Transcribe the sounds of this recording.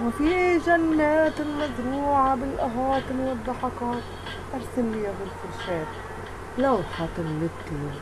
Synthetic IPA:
mafiʒanːaːt̪ɪlmazɾuːʕabɪlʔaɦaːt̪mnɪðˤːɑħɑkɑːt̪ | ʔɑɾˤsɪlːiːabɪlfʊɾʃaːt̪̚ | lawħat̪ɪnːɪt̪i

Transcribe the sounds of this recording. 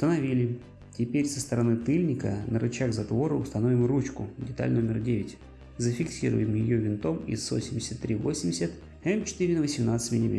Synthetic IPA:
ʊst̪ənɐvʲilʲɪ | tʲɪpʲeɾʲsəst̪əɾɐnɨt̪ɨlʲnʲɪkə̰nəɾʔʊt͡ɕaɣzɐt̪vo̞ɾəʊst̪ɐno̞vʲɪmrut͡ɕkʊdʲɪt̪a̰lʲno̞mʲɪrdʲevʲɪtʲ | zəfʲɪksʲiɾʊ̰jɪmjɪjovʲɪnt̪o̞mḭsːo̰sʲɪmʲdʲɪsʲət̪ːɾʲivo̞sʲɪmʲdʲɪsʲət̪ | ɛmt͡ɕɪ̥t̪ɨɾʲɪnəvəsʲɪmnat̪sɨ̥tʲmʲɪnʲɪbʲḛ

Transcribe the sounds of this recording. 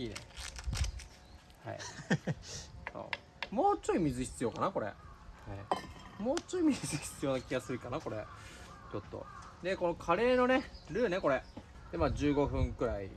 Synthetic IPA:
iːnḛ | ha̰ḭ | so̰ː | moːt͡ɕoimʲizɨçi̥t͡sɨjo̞kanako̞ɾḛhaimo̞ːt͡ɕoimʲizɨçi̥t͡sɨjo̞nakʲiɡasɨɾɯ̟kanako̞ɾe̞ | t͡ɕo̞t̪ːo̞̰ | d̪eko̞no̞kʰaɾe̞ːno̞ne̞ɾɯ̟ːne̞ko̞ɾe | d̪̥emaːd͡ʑɨːɡo̞ɸɯ̟̃ŋkɯ̟ɾaḭ

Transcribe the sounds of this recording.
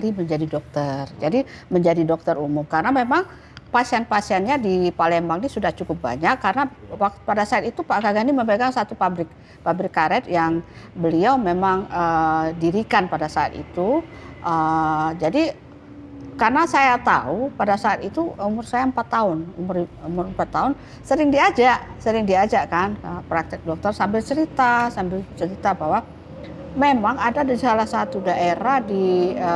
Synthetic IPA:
ɾiməɲd͡ʒadidɔk̚t̪ərd͡ʒadiməɲd͡ʒadidɔk̚t̪ərumʊmkarənamemaŋ | pasiɛnpasiɛnɲadipalɛmbaŋnisudaht͡ʃukʊp̚ba̰ɲakːarnawak̚t̪padasaat̪it̪upaɡaɡaniməmbeɡaŋsat̪upabɾɪk̚ | pabɾɪkːaɾɛt̪jaŋ | bəliawmemaŋədiɾikanpadasaa̰t̪ḭt̪uʔəd͡ʒadi | karnasajat̪aupadasaːt̪it̪uumʊrsajampat̪ːaʊnumʊrumʊrəmpat̪ːaʊn | səɾɪŋdiad͡ʒaʔsəɾɪŋdiad͡ʒaʔkanəpɾak̚t̪ɪk̚dɔk̚t̪ɔrsambɪlt͡ʃəɾit̪asambɪlt͡ʃəɾit̪abawa | memaŋadadasalahsat̪udaʔeɾahdiə

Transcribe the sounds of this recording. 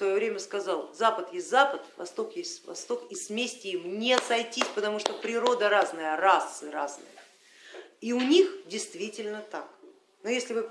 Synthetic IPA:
svɐjovɾʲemʲəskɐzalˠzapət̪jesʲtʲzapət̪vɐ̰st̪o̞kjesʲtʲvɐ̰st̪o̞kismʲesʲtʲɪimnʲesɐjtʲisʲpət̪ɐmuʂt̪opɾʲɪɾo̞d̪əɾaznəjərasːɨɾaznɨ̰jə | iʊnʲixdʲɪjst̪vʲitʲɪlʲnət̪ak | nʊjesʲlʲɪvɨ

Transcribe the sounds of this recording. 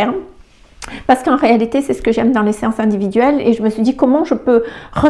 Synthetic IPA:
ɛʁm | paʁsə̥kɑ̃ʁealit̪esɛsə̥kəʒɛmd̪ɑ̃lesejɑ̃sɛ̃d̪ivid̪ɥɛleʒəməsɥid̪ikɔmɑ̃ʒəpøʁə

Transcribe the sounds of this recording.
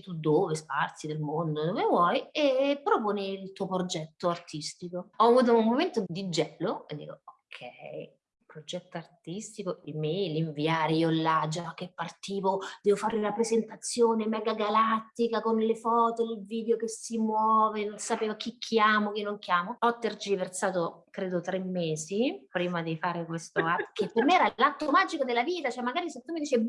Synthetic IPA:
t̪ːud̪oːvespart̪sid̪elmond̪od̪ovevwɔjepːɾopoːneilt̪uːopɾod͡ʒɛt̪ːoart̪ist̪ikoɔavuːt̪̬oummːoment̪od̪id͡ʒɛːloḛd̪ːḭːkookʰːɛ̰j | pɾod͡ʒɛt̪ːoart̪ist̪ikoimeliɱviaːɾeiolːad͡ʒak̟ːepːart̪iːvod̪̥ɛvofaɾiunapɾezent̪at̪sːjoːnemɛːɡaɡalat̪ːikakonlefɔːt̪oilviːd̪eokesːimwɔːvenonsapeːvakikʰːjaːmok̟inːoŋk̟jaːmoɔt̪ːerd͡ʒiversaːt̪okɾeːd̪ot̪ɾemːeːzipɾiːmad̪ifaːɾekwest̪oakepːermeɛːɾalat̪ːomad͡ʒikod̪elːaviːt̪at͡ʃoɛmːaɡaːɾisot̪ːomid̪it͡ʃeb

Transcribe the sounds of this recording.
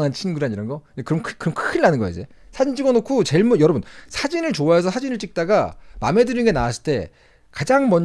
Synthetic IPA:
ŋant͡ɕʰinɡɯɾaniɾʌnɡʌekɯɾʌmkʰkɯɾʌmkʰinːanɯnɡʌjḛd͡ʑe | sʰad͡ʑind͡ʑiɡʌnokʰut͡ɕe̞ɭmujʌɾʌbunsʰad͡ʑinɯɭt͡ɕoaesʰʌsʰad͡ʑinɯɭt͡ɕ͈ik̚t͈aɡama̰me̞dɯɾinɡe̞nawasʰɯ̥ɭt͈e̞̰ | kad͡ʑaŋmʌɲ

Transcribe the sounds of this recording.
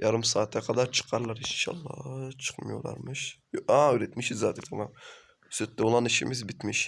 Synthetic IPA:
jaɾɯmsaːt̪ʰːakʰad̪aɾt͡ʃʰɯ̥qʰɑɾlˠɑɾinʃa̰lˠːɑ̰t͡ʃʰɯ̥qma̰joɾlˠa̰ɾmɯʃaøɾɛt̪miʃizaːt̪it̪ʰamam | søt̪lɛolˠaniʃḭmizbit̪miʃ

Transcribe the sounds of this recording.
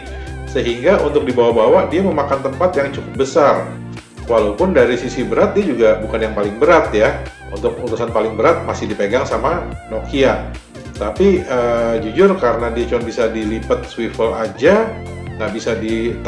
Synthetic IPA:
səɦiŋɡaunt̪ʊk̚dibawahbawadiaməmakant̪əmpat̪jaŋt͡ʃukʊp̚bəsar | walaupʊndaɾisisibəɾat̪̚diad͡ʒuɡabukanjaŋpalɪŋbəɾat̪ja | ṵnt̪ʊk̚uɾusanpalɪŋbəɾat̪̚masɪhdipeɡaŋsamanokia | t̪apiəd͡ʒud͡ʒʊrkaɾənadiat͡ʃuanbisadilipət̪̚swifəlad͡ʒaŋɡaʔbisadit̪

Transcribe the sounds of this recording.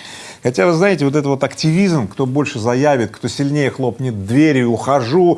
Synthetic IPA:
xɐtʲavɨznajɪtʲɪvo̞t̪ɛt̪vot̪ɐktʲɪvʲizmkt̪o̞bo̞lʲʂɨzɐjævʲɪt̪̚kt̪o̞sʲɪlʲnʲejəxlˠo̞pnʲɪt̪̚d̪vʲeɾʲjʊʊxɐʐu

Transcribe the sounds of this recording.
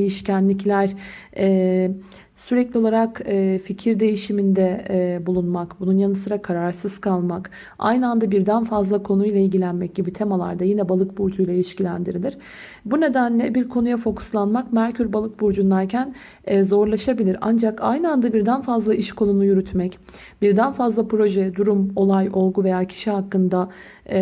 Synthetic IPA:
ejiʃcʰænlʲiclʲæɾ̥ɛː | syɾɛclʲio̞lˠaɾakɛficʰiɾd̪e̞jiʃimind̪ɛbulˠunmakbununjanɯsɯɾakʰaɾaɾsɯz̥kʰalˠmak | a̰jnɯand̪abiɾd̪ænfazlˠakʰo̞nujlˠailʲɟilʲænmɛc̚ɟibit̪ʰe̞malˠa̰ɾd̪ajinɛbalˠɯk̚buɾd͡ʒujlˠailʲiʃcilʲænd̪iɾilʲiɾ̥ | bune̞d̪ænlʲɛbiɾkʰo̞nujafo̞kʰu̥slˠanmakmæɾcʰyɾbalˠɯk̚buɾd͡ʒund̪ˠaɾcʰæn | ɛzo̞ɾlˠaʃabilʲiɾa̰nd͡ʒaka̰jnɯand̪abiɾd̪ænfazlˠaʔiʃkʰo̞nunujyɾyt̪mɛc | b̥iɾd̪ænfazlˠapɾo̞ʒɛd̪uɾumo̞lˠajo̞lˠɡuve̞jaːcʰi̥ʃiɦakːɯnd̪a

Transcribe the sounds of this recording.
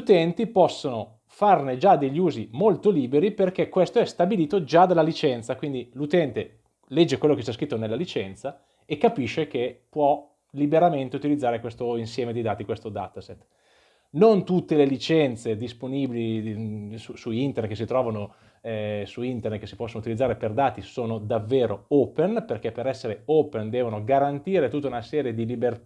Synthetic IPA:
ʎut̪ɛnt̪ipɔsːono | farned͡ʒad̪eʎːuːzimolt̪oliːbeɾiperkekːwest̪oɛst̪abiliːt̪od͡ʒad̪alːalit͡ʃɛnt̪sakwind̪ilut̪ɛnt̪e | lɛd͡ʒːekwelːokest͡ʃas̬kɾit̪ːonelːalit͡ʃɛnt̪sa | ekːapiʃːekepwɔ | libeɾament̪eut̪ilid̪zaːɾekwest̪oinsjɛːmed̪id̪aːt̪ikwest̪od̪a̰t̪aset̪ː | nont̪ut̪ːelelit͡ʃɛnt̪sed̪isponibili | susuint̪ernet̪kes̬it̪ɾɔːvano | ɛsuint̪ernet̪kesipɔsːonut̪ilid̪zaːɾeperd̪aːt̪isoːnod̪avːeːɾooːpenperkepeɾɛsːeɾeoːpend̪ɛːvonoɡaɾant̪iːɾet̪ut̪ːaunasɛːɾjed̪iliber

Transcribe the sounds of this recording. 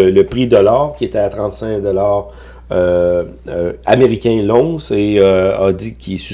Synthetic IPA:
ləpʁid̪ɔlaːʁkʲiet̪ɛat̪ʁɑ̃t̪sɛ̃k̚d̪ɔlaːʁ | ø | a̰meʁikʲɛ̃lɔ̃seøad̪ikʲʰisy

